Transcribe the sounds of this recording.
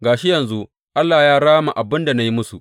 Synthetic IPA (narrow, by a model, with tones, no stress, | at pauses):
ɡaː˨ʃi˦jɐ˨nzu˦ | ʔa˦lːaː˨jaː˦ɽaː˦ma̰˨ʔa˨bɪ˦nda˨na˦ji˦mʊ˦su˨